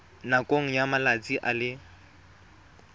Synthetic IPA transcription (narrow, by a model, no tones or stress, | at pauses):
nakʼoŋ̩jamalat͡sʼiʔalɪ